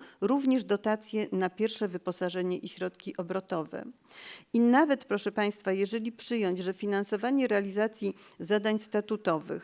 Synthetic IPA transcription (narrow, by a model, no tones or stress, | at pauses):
ɾuvɲɛʐd̪ɔt̪at̪sʲjɛnapʲjɛɾfʂɛvɘpɔsaʐɛɲɛʔiɕɾɔt̪kʲiʔɔbɾɔt̪ɔvɛ̰ | inavɛt̪pɾɔʂɛpaj̃st̪fajɛʐɛlʲipʂɘjɔɲd͡ʑʐɛfʲinansɔvaɲɛɾɛalʲizat̪sʲjizad̪aɲst̪at̪ut̪ɔvɘ̰x